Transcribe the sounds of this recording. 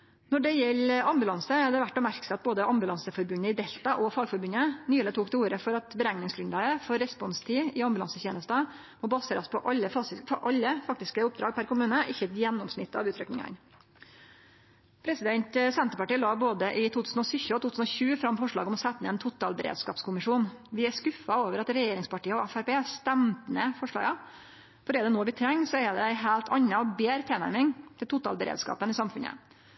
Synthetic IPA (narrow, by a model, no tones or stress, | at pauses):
nɔɖɛjɛlːɑmbʉlɑnsəd̪ɛʋæʈːɔmæɾksɑt̪̚boːd̪əʔɑmbʉlɑnsəfɔɾbʉnːəɪd̪ɛlt̪ɑʔɔfɑːɡfɔɾbʉnənyːlət̪ʰuːkt̪ɛuːɾəfɔɾɑt̪bəɾæŋnɪŋsɡɾʉnlɑːɡəfɔɾɛspɔnst̪ʰiːɪɑmbʉlɑ̰nsəçeːnəst̪ə | mɔːbɑseːɾɑspʰɔʔɑlːəfɑɪfɔʔɑlːəfɑkt̪ɪskəʊp̚d̪ɾɑːɡ̚pʰæɾkʊmʉːnəʔɪçːəɛt̪jɛnːɔmsnɪt̪ːɑ̰ʋʉːt̪ʰɾœknɪŋɑ̰n | pʰɾɛsɪd̪ɛnt̪sɛnt̪əɾpɑʈiːlɑːboːd̪əʔɪt̪ʰuːt̪ʉːsnɔsʏçəɔt̪ʰuːt̪ʉsn̩ɔçʉːfɾɑmːfɔʂɭɑ̰ːɡɔmɔsɛt̪ːənɛːnt̪ʰʊt̪ɑ̰lbəɾḛːd̪skɑ̰ːpskʰʊmɪʂuːnʋɪæskʉfɑoːʋəɾɑt̪ɾɛjeːɾɪŋspʰɑʈiːəɔæfæɾpeːst̪ɛmt̪nəfɔʂɭɑ̰ːɡɑ | fɔɖɛːd̪ɛnoːʋɪt̪ʰɾɛŋːsɔɛd̪ɛæɪɦæːlt̪ʰɑ̰nːɑɔbeːɾt̪ʰeːnæ̰ɾmɪŋt̪ʰɪlt̪ʊt̪ɑ̰lbəɾḛːd̪skɑ̰ːpənɪsɑmfʉnə̰